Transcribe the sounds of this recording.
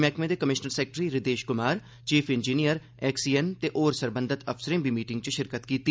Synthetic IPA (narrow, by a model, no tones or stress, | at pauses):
mɛːkmẽːd̪eːkəmɪʃnəɾsɛːk̚ʈɾiːɾɪd̪eːʃkʊmaːɾ | t͡ʃiːpʰɪnd͡ʒiːnijəɾ | ɛːksiːɛnt̪eːʔoːɾsəɾbənd̪ʱət̪əfsəɾẽmbiːmiːʈɪ̃ŋɡ̚t͡ʃʃɪɾkət̪kiːt̪iː